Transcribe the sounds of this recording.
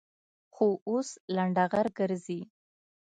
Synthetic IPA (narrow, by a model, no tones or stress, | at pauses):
xoʔoslaɳɖaɣaɾɡəɾzi